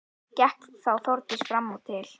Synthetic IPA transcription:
cɛhk̪θawθɔwɾt̪ɪst̪fɾamːut̪ʰːɪl̥

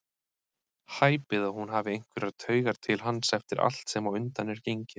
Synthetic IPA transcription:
haːjpɪðawhunɦavɪejŋ̥kʰvɪɾaɾt̪ʰœːɥɣaɾ̥t̪ʰɪlɦanːsɛft̪ɪɾa̰l̥t̪sɛmawʏnt̪anɛɾcejɲcɪ

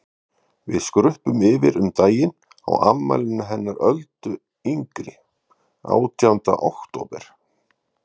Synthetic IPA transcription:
vɪðskɾʏhpʏmɪvɪɾʏmt̪aːjɪn | a̰wamːa̰jlɪnːaɦɛnːaɾœlt̪ʏ | iŋkɾɪ | a̰ːwt̪ʰjawnt̪a̰ʔowhkt̪ʰoːpɛɾ̥

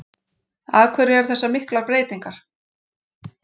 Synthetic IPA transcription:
aːðkʰvɛɾʏɛɾ̥θɛsːamɪhklaɾpɾeːjt̪iŋkaɾ̥

